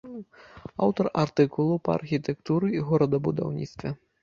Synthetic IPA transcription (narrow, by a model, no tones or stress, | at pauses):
a̰wt̪ɐrart̪ɨkulˠupɐa̰rxʲit̪ɛkt̪uɾɨɣɔɾɐd̪ɐbud̪a̰wnʲḭt̪st̪vʲɛ